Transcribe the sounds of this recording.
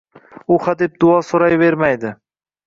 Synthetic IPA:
ʊχad̪ep̚d̪ʊɒsoɾajve̞ɾmajd̪ɪ

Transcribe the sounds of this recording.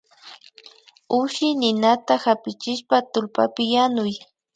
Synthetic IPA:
ʊʃɪjnɪnat̪ahapɪt͡ʃɪʃpat̪ʊlpa̰pɪjanʊj

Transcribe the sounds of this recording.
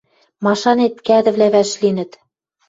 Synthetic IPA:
mɑʃɑnet̪̚kæd̪ɘ̆vlæβæʃlinɘ̆t̪

